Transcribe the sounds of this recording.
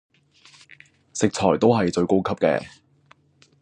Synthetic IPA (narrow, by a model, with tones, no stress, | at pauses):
sɪ˨k̚t͡sʰɔː˨˩jt̪o˥wɦɐ˨jt͡ʃɵ˧ɥko˥wkʰɐ˥p̚kɛ̰ː˧